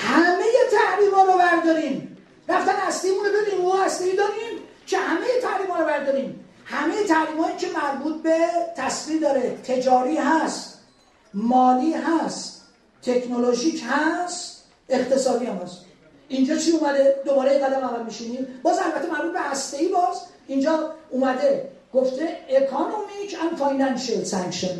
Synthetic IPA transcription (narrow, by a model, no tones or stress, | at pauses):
hæmeje̞t̪ʰæhɾiːmhɒːɾobæɾd̪ɒːɾiːm | ræft̪ænhæst̪ejimũnobed̪imohæst̪e̞jiːd̪ɒːɾiːm | kʰe̞hæme̞je̞t̪ʰæhɾiːmhɒːɾobæɾd̪ɒːɾiːm | hæme̞jet̪ʰæhɾiːmɒːicʰe̞mæɾbuːt̪̚ʰbe̞t̪ʰæsviːmd̪ɒːɾet̪ʰe̞d͡ʒɒːɾiːɦæst̪ | mɒːliːɦæst̪ | t̪ʰːe̞kʰnoloʒiːcʰhæst̪ | e̞xt̪e̞sɒːfiæmhæst̪ | ind͡ʒɒːt͡ʃʰiːuːmæd̪ed̪obɒːɾejeŋɡæd̪æmævælmiʃiniːbɒːzælbæt̪ʰːemæɾbuːt̪̚be̞hæst̪e̞iːbɒːz | ind͡ʒɒːuːmæd̪e̞ | ɡ̥oft̪ʰeekʰonomicʰænfɒjnænʃelsæŋkʃen